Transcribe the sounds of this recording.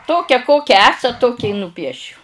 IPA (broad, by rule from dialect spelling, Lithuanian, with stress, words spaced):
ˈtoːkʲɛ ˈkoːkʲɛ ˈæːsɐt ˈtoːkʲɛ ɪ nʊˈpʲiɛʃʲʊ